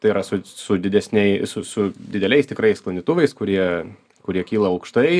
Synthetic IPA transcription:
t̪ɐɪiɾɐsʊsʊd̪ʲɪd̪ʲɛsʲnʲɛɪsʊsʊd̪ʲɪd̪ʲɛlʲɛɪst̪ʲɪkɾɐɪsklˠɐnʲd̪ʲit̪ʊʋɐɪskʊɾʲiɛ | kʊɾʲiɛkʲiːlˠɐɐʊkʃt̪ɐɪ

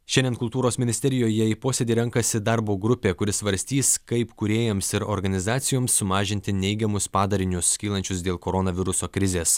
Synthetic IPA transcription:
ʃʲɛnd̪ʲeɛnkʊlˠt̪uːɾoːsmʲɪnʲɪsʲt̪ʲɛɾʲɪjoːjɛiːpoːsʲeːd̪ʲiːɾʲɛŋkɐsʲɪd̪ɑɾboːɡɾʊpʲeːkʊɾʲɪsʋɐɾʲsʲt̪ʲiːskɐɪpkʊɾʲeːjɛmsɪɾo̰ɾɡɐnʲɪzɑːt̪sʲɪjoːmsːʊmɑːʒʲɪnʲt̪ʲɪnʲɛɪɡʲɛmʊspɑːd̪ɐɾʲɪnʲʊskʲiːlˠɐnʲt͡ʃʲʊs̬d̪ʲeːlˠkoːɾonɐʋʲɪɾʊsoːkɾʲɪzʲeːs

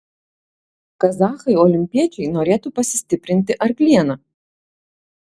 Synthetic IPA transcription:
kɐzɑːxɐɪɔlʲɪmʲpʲiɛt͡ʃʲɛɪnoːɾʲeːt̪uːpɐsʲɪ̥sʲt̪ʲɪpʲɾʲɪnʲt̪ʲɪʔɐɾklʲiɛnɐ

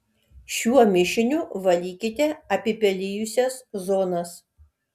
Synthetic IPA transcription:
ʃʲuɔmʲɪʃʲɪnʲuʋɐlʲiːkʲɪt̪ʲɛɐpʲɪpʲɛlʲɪjʊsʲɛszoːnɐs

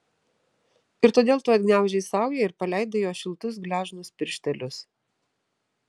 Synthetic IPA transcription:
ɪɾt̪oːd̪ʲeːlˠt̪ʊɐd̪̚ʲɡʲnʲæˑʊʒʲɛɪsɑˑʊjɛɪɾpɐlʲæˑɪd̪ɐjoːʃʲɪlˠt̪ʊs̬ɡlʲæːʒnʊspʲɪɾʲʃʲt̪ʲɛlʲʊs

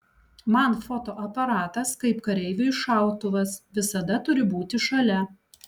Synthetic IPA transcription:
mɐnfɔt̪oːʔɐpɐɾɑːt̪ɐskɐɪpkɐɾʲɛɪʋʲʊɪʃɑˑʊt̪ʊʋɐsʋʲɪsɐd̪ɐt̪ʊɾʲɪbuːt̪ʲɪʃɐlʲɛ

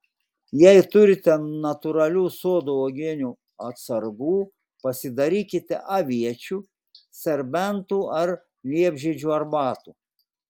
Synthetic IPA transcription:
jɛɪt̪ʊɾʲɪt̪ʲɛnɐt̪ʊɾɐlʲuːsoːd̪oːoːɡʲɪnʲuː | ɐt̪sɐɾɡuː | pɐsʲɪd̪ɐɾʲiːkʲɪt̪ʲɛ̰ʔɐʋʲiɛt͡ʃʲuː | sʲɛɾʲbʲɛnt̪uːɐɾ | lʲiɛbʲʒʲid͡ʒʲuːɐɾbɑːt̪uː

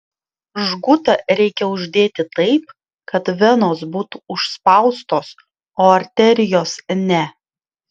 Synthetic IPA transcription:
ʒɡʊt̪ɐɾʲɛɪkʲɛʊʒʲd̪ʲeːt̪ʲɪt̪ɐɪp̚ | kɐt̪ʋʲɛnoːsbuːt̪uʊʃspɐˑʊst̪oːs | oːɐɾʲt̪ʲɛɾʲɪjoːsnʲɛ

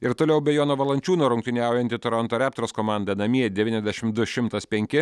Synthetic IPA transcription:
ɪɾt̪oːlʲɛʊbʲɛjoːnoːʋɐlˠɐnʲt͡ʃʲuːnoːɾʊŋkt̪ʲɪnʲæˑʊjɛnt̪ʲɪt̪oːɾɐnt̪oɾʲæːp̚t̪ɾoːskoːmɑˑnd̪ɐnɐmʲiɛd̪ʲɛʋʲiːnʲɛzʲd̪ʲɛʃʲɪmd̪ʊʃʲɪmt̪ɐspʲɛŋʲkʲɪ

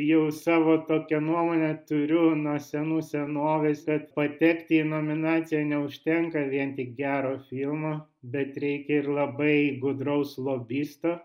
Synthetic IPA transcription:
jɛʊsɑːʋoːt̪oːkʲɛnuɔmoːnʲɛt̪ʊɾʲʊnuɔsʲɛnuːsʲɛnoːʋʲeːskɐt̪pɐt̪ʲɛːkt̪ʲɪːnoːmʲɪnɑːt͡ssʲɪjɛnʲɛʊʃʲt̪ʲɛŋkɐʋʲiɛnt̪ʲɪk̚ɡʲæːɾoːfʲilˠmobʲɛt̪ɾʲɛɪkʲɛɪrlˠɐbɐɪɡʊd̪rɐʊslˠoːbʲiːst̪oː

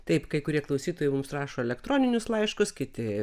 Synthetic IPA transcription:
t̪ɐɪpkɐɪkʊɾʲiɛklˠɐʊsʲiːt̪oːjɛɪmʊmsrɑːʃoːɛlʲɛkt̪ɾoːnʲɪnʲʊslˠɐɪʃkʊskʲɪt̪ʲɪ

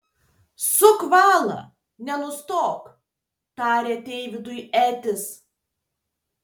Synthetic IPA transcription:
sʊkʋɑːlˠɐ̰ | nʲɛnʊst̪oːk | t̪ɑːɾʲeːt̪ʲɛɪʋʲɪd̪ʊjæːt̪ʲɪs

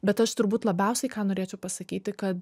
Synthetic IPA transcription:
bʲɛt̪ɐʃt̪ʊɾbuːt̪lˠɐbʲɛʊsʲɛɪkɑːnoːɾʲeːt͡ʃʲɛʊpɐsɐkʲiːt̪ʲɪkɐt̪

